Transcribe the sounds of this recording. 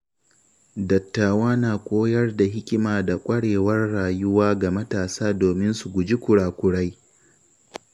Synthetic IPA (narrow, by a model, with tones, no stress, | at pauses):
dɐ˨tːaː˨waː˦naː˨kʷʼoː˦jɐ˦rda˨ɦɪ˦kʲɪ˦maː˨da˨kʷʼɐ˦ɽeː˨wɐ˦rːaː˨jʊ˦waː˦ɡa˨mɐ˦taː˨saː˦doː˨mɪ˦nsu˨ɡʷʊ˨d͡ʒi˦kʷʊ˨ɽaː˨kʷʊ˨ɽa˦j